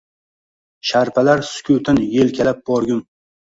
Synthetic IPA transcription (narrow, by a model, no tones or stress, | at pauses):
ʃaɾpʰalaɾsʊ̥kʲʰut̪ʰɪnjelkʲʰalap̚bɒɾɡʲʊm